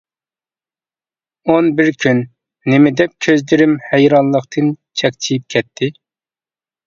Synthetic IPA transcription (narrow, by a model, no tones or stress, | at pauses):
onbɪɾkʲʰynː | ɪmɪd̪ɛp̚kʲʰøzd̪ɪɾɪmhɛjɾɑnlˠəqt̪ʰɨnt͡ʃʰɛkʲt͡ʃʰijip̚kʲʰɛt̪ʰːɪ